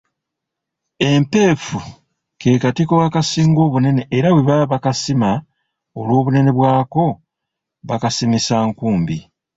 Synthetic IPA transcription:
e̞mpe̞ːfu | ke̞ːkatiko̞wakasiːŋɡo̞ːβune̞ne̞ʔːɾaweβaβakasima | olwo̞ːβune̞ne̞βwaːko̞ | βakasimisaŋkuːmbi

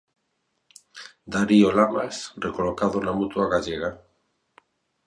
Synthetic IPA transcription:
d̪aɾiolamasrekolokaðonamut̪uaɣaʎeɣa

